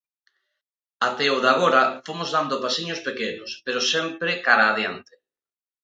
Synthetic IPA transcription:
at̪ɛoðaɣ̞oɾɐfomozðand̪opasiɲospekenʊspeɾʊsɛmpɾɪkaɾaːðjant̪e̥

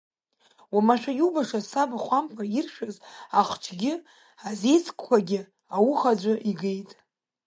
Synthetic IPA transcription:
wamaʃᶣajubaʂasabaχʷampʰairʃᶣazaχʷt͡ʃʰɡʲɪ | aze̞jt͡sʰkʰʼkʷʰaɡʲɪ | awuχad͡ʒʷaʔiɡejtʼ

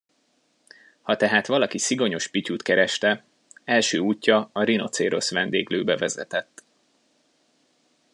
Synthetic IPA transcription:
hɒt̪ɛɦaːt̪ʋɒlɒkisiɡo̞ɲo̞ʃpicuːt̪kɛɾɛʃt̪ɛ | ɛlʃøːuːcːɒːɾino̞̰t̪seːɾo̞sʋɛnd̪eːɡløːbɛvɛzɛ̰t̪ɛt̪ː

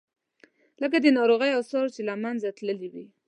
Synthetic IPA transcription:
lək̬ad̪ənɑɾoɣəjawsɑɾt͡ʃelamanzat̪ləliwi

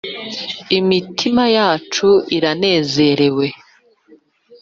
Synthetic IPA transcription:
imitʰimajaːt͡ʃuiɾane̞ːze̞ɾe̞we̞

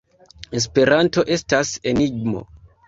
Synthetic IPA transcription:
es̬pe̞ɾanto̞ʔe̞stase̞niɡ̚mo̞̰

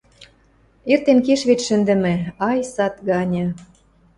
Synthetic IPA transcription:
ert̪enkeʃβet̪ʃə̆nd̪ɘ̆mĕɑjsɑt̪ɡɑnʲɤ̆

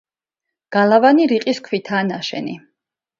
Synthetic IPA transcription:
ɡ̥alˠavaniɾiqʼiskʰwit̪ʰaːnaʃɛ̰nḭ

